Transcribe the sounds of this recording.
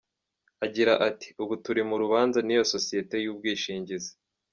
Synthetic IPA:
aɟiɾaʔati̥uβutuɾimuɾuβaːnzanijo̞so̞sije̞te̞juːb̚ɡiːʃiːɲɟize̥

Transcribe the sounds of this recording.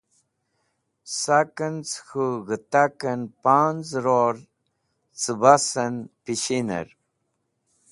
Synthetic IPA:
sakənt͡sxuɣət̪akənpand͡zɾoɾ | t͡səbasənpiɕinḛɾ

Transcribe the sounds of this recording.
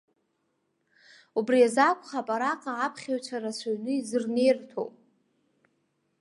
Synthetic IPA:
ubriazakʷʰʼχapʼaɾaqʼaapʰχʲaɥt͡ʃʷʰaɾasʰʷaɥnɨizɨrnejrtʰo̰wpʼ

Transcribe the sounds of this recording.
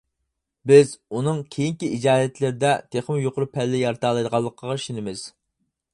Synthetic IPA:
bɪzunɨŋkʲʰejiŋkʲiid͡ʒɑːɦɛt̪lɪɾɪd̪ɛt̪ʰeχmjoqʰʊɾʊpʰɛlːɪjɑɾt̪ʰɑːlˠɑjd̪əʁɑlˠːəqʰəʁɑʃinɪmɪz̥

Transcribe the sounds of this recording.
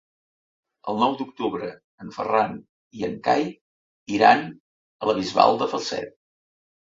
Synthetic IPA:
əlˠnɔwd̪uk̚t̪uβɾə | əɱfə̰ran | iəŋka̰j | iɾan | ələβizβa̰lˠd̪əfəlˠsɛ̰t̪̚

